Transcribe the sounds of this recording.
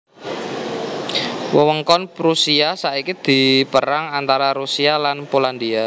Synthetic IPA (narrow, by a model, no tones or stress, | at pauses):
wəwəŋkɔnpɾusiasaikid̪̥i̤pəɾaŋant̪aɾaɾusialanpoland̪ia